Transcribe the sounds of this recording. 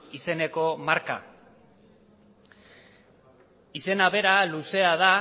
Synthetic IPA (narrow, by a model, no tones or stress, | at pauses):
ise̞ne̞ko̞maɾka̰ | ise̞naβe̞ɾaluse̞aða